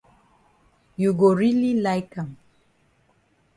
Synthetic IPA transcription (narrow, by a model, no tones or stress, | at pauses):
juɡoɹililaɪkãm